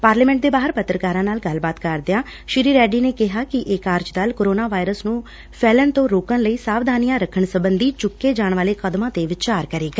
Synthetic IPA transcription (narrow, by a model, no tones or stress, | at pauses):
paːɾliːmɛ̃ɳʈ̚d̪eːbaːɦəɾpət̪ːɾəkaːɾãːnaːlɡəlbaːt̪kəɾd̪ɪjaː | ʃɪɾiːɾɛːɖiːneːkɪɦaːkɪʔɪkaːɾd͡ʒd̪aːlkoːɾoːnaːʋaːɪɾəsnũː | pʰɛːlənt̪õːɾoːkənləiːsaːʋd̪ʱaːnijãːɾəkʰːəɳsəbənd̪iːt͡ʃʊkːeːd͡ʒaːɳʋaːleːkəd̪mãːt̪eːʋɪt͡ʃaːɾkəɾeːɡaː